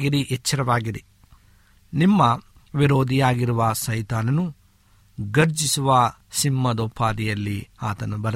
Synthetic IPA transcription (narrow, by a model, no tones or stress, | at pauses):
ɡiɾiʔet͡ʃːɐɾɐʋaːɡiɾi | nimːɐ | ʋiɾoːd̪ʱijaːɡiɾuʋɐsɐjt̪aːnɐnu | ɡɐɾd͡ʒisuʋɐ | simːɐd̪oːpʰːaːd̪ijɐlːiaːt̪ɐnubɐɾɐ